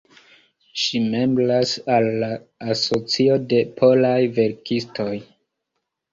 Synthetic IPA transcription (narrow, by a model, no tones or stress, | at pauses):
ʃimemblasalːaːso̞t͡sio̞de̞pʰolajve̞ɾkisto̞j